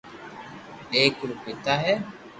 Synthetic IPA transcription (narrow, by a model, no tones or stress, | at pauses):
eːkuɾupit̪aɦe